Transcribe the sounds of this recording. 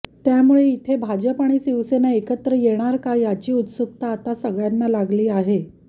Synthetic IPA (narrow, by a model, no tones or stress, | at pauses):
t̪jamuɭeit̪ʰebʱad͡ʑəpaɳ̃iːsiʋsenaekət̪ɾəjeɽ̃aɾkajat͡ɕiːut̪suk̚t̪aːt̪asəɡɭjanːalaɡliːaɦe